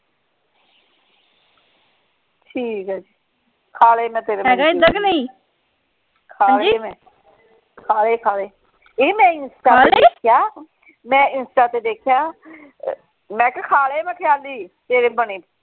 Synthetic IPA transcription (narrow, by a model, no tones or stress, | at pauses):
ʈʰiːkaːd͡ʒiː | kʰaːleːmɛ̃ːt̪eːɾeːɡaɪd̪əɡneĩː | kʰaːld͡ʒeːmɛ̃ː | kʰaːleːkʰaːleː | eːmɛ̃ːɪnsʈaːeeeːkʰjaː | mɛ̃ːɪnsʈaːt̪eːd̪eːkʰɪjaː | mɛ̃ːkkʰaːleːmɛ̃ːkʰəjaːliːt̪eːɾeːbəniː